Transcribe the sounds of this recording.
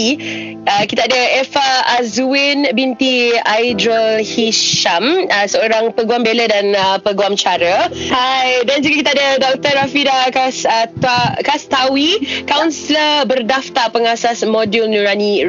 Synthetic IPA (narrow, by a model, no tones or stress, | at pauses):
əkit̪aadəɛfaːzuwinbint̪iajdɾəlhiʃaməsəoɾaŋpəɡuambelədanəpəɡuamt͡ʃaɾəhajdand͡ʒuɡakit̪aadədɔk̚t̪əɾafidakasət̪akast̪awikawnsləbərdaft̪aʔpəŋasasmodjulnuɾani